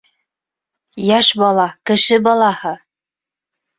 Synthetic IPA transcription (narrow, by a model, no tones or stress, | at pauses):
jæʃbɑlˠɑkɘ̆ʃɘbɑlˠɑhɤ